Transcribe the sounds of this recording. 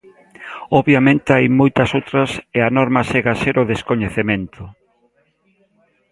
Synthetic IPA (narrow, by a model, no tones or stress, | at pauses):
ɔβjamẽnt̪eajmojt̪ɐsowt̪ɾɐseanɔɾmɐseɣaseɾoðeskoɲeθemẽnt̪ʰʊ